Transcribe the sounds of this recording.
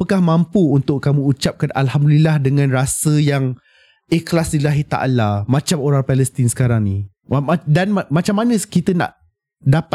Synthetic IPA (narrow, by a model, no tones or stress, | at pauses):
əkahmãmpuːnt̪ʊʔkːamũːt͡ʃap̚kanʔa̰lhamdulilahdəŋãnrasəjaŋ | eklasdilaɦit̪a̰ʔlamãt͡ʃamoɾaŋpɛləst̪insə̥kaɾaŋni | mdanamat͡ʃamːanə̃skit̪əna̰ʔ | dapa